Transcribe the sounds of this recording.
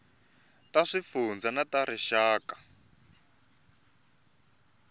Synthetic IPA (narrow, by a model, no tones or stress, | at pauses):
taʂifund͡zanataɾiʃaːkḁ